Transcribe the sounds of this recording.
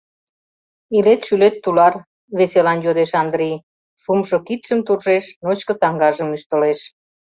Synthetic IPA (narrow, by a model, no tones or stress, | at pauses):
ilet̪ʃylet̪ːulɑr | βeselɑnjod̪eʃɑnd̪ɾij | ʃumʃokit̪ʃəmt̪urʒeʃnot͡ɕkə̆sɑŋɡɑʒəmyʃt̪ə̆leʃ